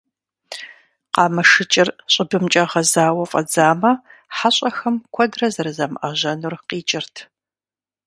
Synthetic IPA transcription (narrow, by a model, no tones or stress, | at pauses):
qɑːmɐʂɨt͡ʃʼɪrɕʼɪbɨmt͡ʃʼɐʁɐzaːwɐfʼɐ̰d͡zaːmɐħaɕʼɐxɐmkʷʰɔdrɐzɐrɨzɐmɐʑɐnurqiːt͡ʃʼɪrtʰ